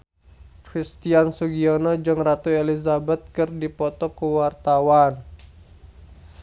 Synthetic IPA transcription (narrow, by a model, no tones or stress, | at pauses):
kɾist̪iansuɡiɔnɔd͡ʒɨŋrat̪uelizabɛt̪̚kɨrdipɔt̪ɔkuwart̪awan